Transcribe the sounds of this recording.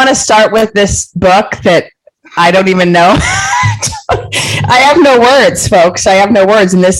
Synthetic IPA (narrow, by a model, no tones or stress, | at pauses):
ɑñɨstɑɹt̚wɪðɪsb̥ʊk̚ðɨɾ | ʔaɪɾõʊ̃ntivɨ̃nːoʊt | aɪɨvnoʊwɜ˞dz̥foʊksaɪɨvnoʊwɜ˞dzɨ̃n̩ðɪs